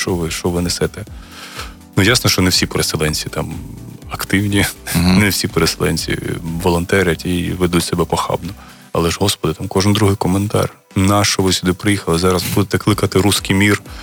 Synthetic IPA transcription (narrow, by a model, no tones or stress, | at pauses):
ʃt͡ʃɔʋɪʃt͡ʃɔʋɪnɛsɛt̪ɛ | nujasnɔʃt͡ʃɔnewsʲipeɾeselˠɛnʲt͡sʲit̪ɑmɐkt̪ɪwnʲinewsʲipeɾeselˠɛ̰nʲt͡sʲḭʋɔlˠɔnt̪ɛɾʲɐtʲiʋed̪utʲsɛbɛpɔxɑ̰bnɔ | ɐ̰lˠɛʒɦɔspɔd̪ɪt̪ɑmkɔʒɪnd̪ɾuɦɪjkɔment̪ɑ̰rʲ | nɑʃt͡ʃɔʋɪsʲʊd̪ɪpɾɪjixɐlˠɪzɑɾɐzbud̪et̪ɛklˠɪkɐt̪ɪɾuskijmʲir